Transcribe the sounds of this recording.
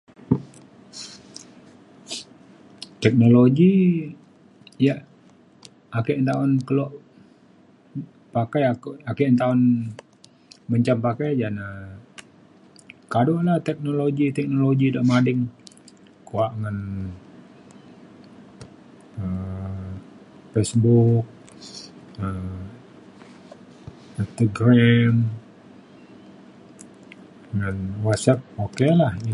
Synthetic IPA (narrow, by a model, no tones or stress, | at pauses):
t̪ɛk̚noloɡi | jaʔ | akɛʔnt̪aʊnkəlɔʔ | pakajakakɛʔnt̪aʊn | məɲt͡ʃampakajd͡ʒana | kadoʔlaht̪ɛk̚noloɡit̪ɛk̚noloɡidaʔmadɪŋ | kuaʔŋan | ə | fesbuk̚ | ə | int̪aɡɾɛm | ŋanwat̪̚sap̚okelahi